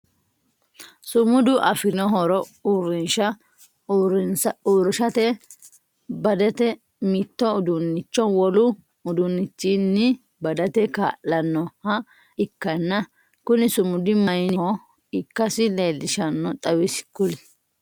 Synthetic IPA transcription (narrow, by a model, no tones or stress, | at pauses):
sʊmʊd̪ʊʔɐfɪnɔɦɔɾɔuɾɪnʃɐ | ɾɪnsɐuːɾɪʃɐt̪ɛ | bɐd̪ɛt̪ɛ | mit̪ːɔʊd̪ʊnːɪt͡ʃːɔwɔlʊ | ʊd̪ʊnːɪt͡ʃːinːɪ | bɐd̪ɐt̪ɛka̰ːʔɐnːɔhɐ | ɪkːɐnːɐ | kʊnɪsʊmʊd̪ɪmɐjnɪɔ | ɪkːɐsɪleːlːɪʃɐnːɔt̪ʼɐwɪsɪ̥kːʊlɛ